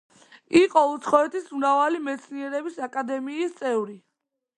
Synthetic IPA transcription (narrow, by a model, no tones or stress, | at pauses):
iqʼɔut̪sʰχɔɛt̪ʰismɾavalimɛt̪sʰniɛɾɛbisakʼad̪ɛmiːst̪sʼɛvɾi